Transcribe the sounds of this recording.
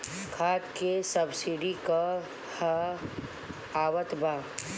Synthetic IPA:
kʰaːt̪kesɐbsiɖika | ha | aːwət̪bʱaː

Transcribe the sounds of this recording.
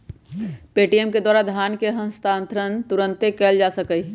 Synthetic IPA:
peːʈijəmked̪waːɾad̪ʱjaːnkeɦəmst̪ãːnt̪ʰɾənt̪uɾə̃nt̪ekɛld͡ʒasəkəi

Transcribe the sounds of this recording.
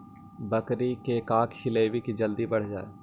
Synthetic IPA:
bəkɾikekaːkhɪleːʋikid͡ʒəld̪ibɐɽ̤d͡ʒaːḛː

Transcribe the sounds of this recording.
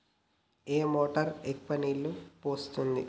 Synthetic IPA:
eːmoːʈɐɾek̚pɐniːlupoːst̪und̪ḭ

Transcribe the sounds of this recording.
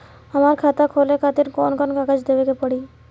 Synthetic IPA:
amaɾkʰat̪akʰolekʰat̪iɾkɔnkɔnkaɡad͡ʑd̪ebekepɔɽi

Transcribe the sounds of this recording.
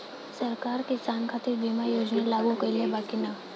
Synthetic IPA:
sɐɾkaːɾkɪsaːnkʰaːt̪ɪɾbiːmajoːd͡ʒnalaːɡũkeliebaːkina

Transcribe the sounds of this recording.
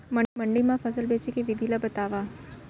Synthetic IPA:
məməɳɖimãfəsəlbet͡ʃikiʋɪd̪ʱilabət̪aʋa

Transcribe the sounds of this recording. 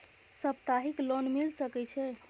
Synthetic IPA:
səp̚t̪aɦiklonmilsəkɛt͡ʃʰɛ

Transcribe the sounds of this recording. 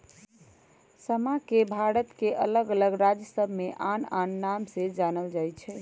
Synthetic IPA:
səmakebʱaɽət̪keʔələɡələɡɾad͡ʒəsəbʱmeʔananːamsẽd͡ʒanəld͡ʒajt͡ʃʰɛ

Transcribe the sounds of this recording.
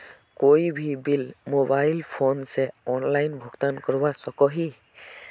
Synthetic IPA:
kojbʱibilmobajlpʰonsɛɔnlajnbʱɔɡt̪ankɔɹbasɔkɔɦi

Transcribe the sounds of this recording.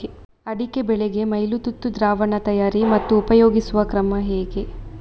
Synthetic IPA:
ɐɽike̞bɛɭeɡe̞mɐjlut̪ut̪ːud̪ɾaːʋɐɳɐt̪ɐjaːɾimɐt̪ːuːpɐjoːɡisuʋɐkɾɐmɐɦɛːɡe̞

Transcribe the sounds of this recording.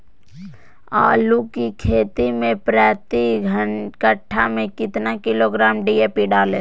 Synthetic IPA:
aːlukikʰeːt̪imẽpɾɛːt̪iɡʱəkəʈʰːamẽkɪt̪nakɪloɡɾaːmɖiːepiɖaːlẽ

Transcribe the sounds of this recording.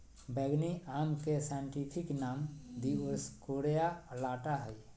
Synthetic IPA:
bɛɡniʔaːmkesajɳʈiːpʰɪknaːmd̪iʊɾskoːɾejalaːʈaɦɛj

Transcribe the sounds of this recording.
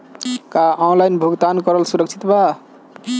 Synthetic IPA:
kaʔɔnlajnbʱuɡt̪ankʌɾʌlsuɾʌk̚t͡ʃʰi̥t̪ba

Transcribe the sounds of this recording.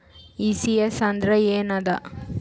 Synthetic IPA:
isiesɐnd̪ɾɐeːnɐd̪ɐ

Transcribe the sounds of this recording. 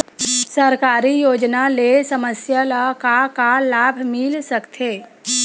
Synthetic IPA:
səɾkaːɾijoːd͡ʒnalesɐməsjalakakalaːbʱmɪlsəkt̪ʰeː

